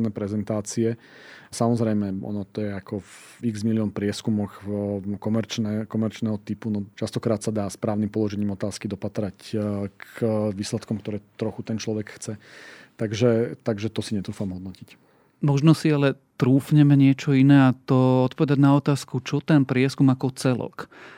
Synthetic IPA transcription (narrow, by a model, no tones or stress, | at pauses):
nɛːpɾɛzɛnt̪aːt͡siɛ | samɔzɾɛjmɛʔɔ̰nɔt̪ɔjɛakɔv | iɡzmiliɔnpɾɪɛskumɔxkɔmɛɾt͡ʃnɛkɔmɛɾt͡ʃnɛːɦɔt̪ipunɔt͡ʃast̪ɔkɾaːt̪sad̪aːspɾaːʊnimpɔlˠɔʒɛɲiːmɔt̪aːskid̪ɔpat̪ɾackʋiːslɛt̪kɔmkt̪ɔɾɛːt̪ɾɔxut̪ɛnt͡ʃlɔʋɛkxt͡sɛ | t̪aɡʒɛt̪aɡʒɛt̪ɔsiɲɛt̪ɾuːfamɦɔd̪nɔcic | mɔʒnɔsialɛt̪ɾuːfɲɛmɛɲɪɛt͡ʃɔinɛːat̪ɔɔt̪̚pɔʋɛd̪aɟnaɔt̪aːskut͡ʃɔt̪ɛnpɾɪɛskumakɔt͡sɛlɔ̰k